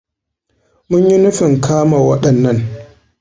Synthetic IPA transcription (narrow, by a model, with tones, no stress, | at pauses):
mʊ˦ɲji˦nʊ˦ɸɪ˨ŋkaː˦maː˨wɐ˦ɗɐ˨nːɐ˦n